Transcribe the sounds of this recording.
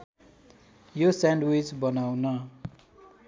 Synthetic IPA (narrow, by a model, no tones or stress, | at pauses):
josaɳɖwit͡sbʌnawnʌ